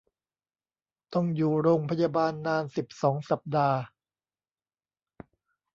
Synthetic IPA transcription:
t̪ɔ˥˩ŋjuː˨˩ɾoː˧ŋpʰa˧jaː˧baː˧nːaː˧nsi˨˩p̚sɔː˩˦ŋsa˨˩p̚daː˧

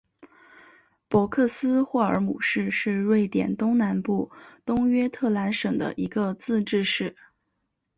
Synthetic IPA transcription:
pwɔ˧˥kʰɤ˥˩sɹ̩˥xwɔ˥˩ə̰˞˧˥mṵ˨˩ʂɻ̩˥˧ʂɻ̩˥˧ɻwe˥˩ɪt̪jɛ̰˨˩nt̪ʊ˥ŋna˧˥npu˥˩t̪ʊ˥ŋɥɛ˥t̪ʰɤ˥˩la˧˥nʂɤ˨˩ŋd̪ə̰˦ʔi˧˥ɡə˧t͡sɹ̩˥˧ʈ͡ʂɻ̩˥˧ʂɻ̩˥˩

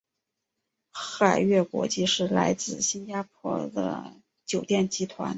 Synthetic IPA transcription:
xa˨˩ɪɥɛ˥˩kwɔ̰˧˥t͡ɕi˥˧ʂɻ̩˥˩la˧˥ɪt͡sɹ̩˥˩ɕi˥nt͡ɕa˥p̚ʰwɔ̰˥˩d̪ə̰˩ | t͡ɕjo˨˩ʊt̪jɛ˥˩nt͡ɕi˧˥t̪ʰwa̰˧˥n

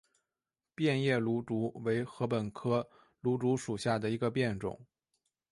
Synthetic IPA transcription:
pjɛ˥˧njɛ˥˩lu˧˥ʈ͡ʂu˧˥we˧˥ɪxɤ˧˥pə˨˩nkʰɤ˥ | lu˧˥ʈ͡ʂu˧˥ʂu˨˩ɕja˥˩d̪ə˩i˧˥ɡə˧pjɛ˥˩nʈ͡ʂʊ̰˨˩˦ŋ

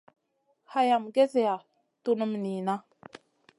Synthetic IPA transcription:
ha˦ja˨mɡe˦ze˨ja˨ | tu˦nə˦m˨ni˨na˦

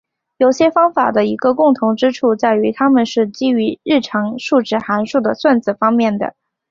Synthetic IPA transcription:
jo˨˩ʊɕjɛ˥fɑ˥ŋfa̰˨˩d̪ə˦i˧˥ɡə˧kʊ˥˩ŋt̪ʰʊ˧˥ŋʈ͡ʂɻ̩˥ʈ͡ʂʰu˥˧t͡sa˥˩ɪy˧˥t̪ʰa˥mə˨nʂɻ̩˥˩t͡ɕi˥y˧˥ɻɻ̩˥˩ʈ͡ʂʰɑ˧˥ŋʂu˥˩ʈ͡ʂɻ̩˥˩xa˧˥nʂu˥˩d̪ə˩swa˥˩nt͡sɹ̩˨˩fɑ˥ŋmjɛ˥˩nd̪ə̰˩

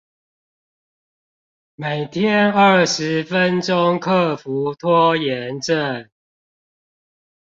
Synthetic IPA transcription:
me˨˩ɪt̪ʰjɛ˦nə˥˩ʂɻ̩˨˦fə˦nʈ͡ʂʊ˦ŋkʰɤ˥˨fu˨˦t̪ʰwɔ˦˥jɛ˨˦nʈ͡ʂə˥˨n

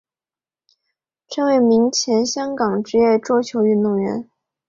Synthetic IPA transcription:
ʈ͡ʂʰɤ˧˥ŋwe˧˥ɪmi˧˥ŋt͡ɕʰjɛ˧˥nɕjɑ˥ŋkɑ˨˩ŋʈ͡ʂɻ̩˧˥jɛ˥˩ʈ͡ʂwɔ˥t͡ɕʰjo˧˥ʊy˥˧nt̪ʊ˥˩ŋɥɛ̰˧˥n

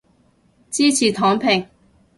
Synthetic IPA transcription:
t͡siː˥t͡sʰiː˨˩t̪ʰɔː˨˥ŋpʰɪ˨˩ŋ

